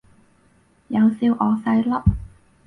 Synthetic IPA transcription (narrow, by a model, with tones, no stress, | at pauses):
jɐ˨˧wsiː˧wʔɔː˨˧sɐ˧jlɐ˥p̚